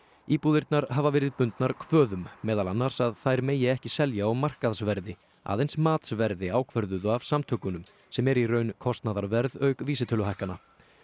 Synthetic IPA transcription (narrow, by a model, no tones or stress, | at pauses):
iːpuðɪɾt̪naɾhavavɛːɾɪðpʏnt̪naɾkʰvœːðʏmːɛːðalanːaɾ̥saðθajɾmeːjɪɛhcɪsɛljaːwmar̥kaðsvɛɾðɪ | a̰ːðejnsmaːt̪svɛɾðɪaːwkʰvœɾðʏðʏav̥samt̪ʰœkʏnʏm | sɛmɛɾirœːɥnkʰɔst̪naðaɾvɛɾðœɥkviːsɪt̪ʰœːlʏɦajhkana